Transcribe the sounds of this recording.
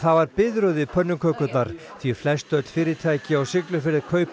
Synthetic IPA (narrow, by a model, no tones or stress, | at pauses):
θavaɾpɪðɾœwðɪpʰœnːʏkʰœkʏt̪naɾ̥ | θviɛflɛst̪œt̪l̥fɪːɾɪt̪ʰaːjcɪawsɪklʏfɪɾɪðkʰœːɥp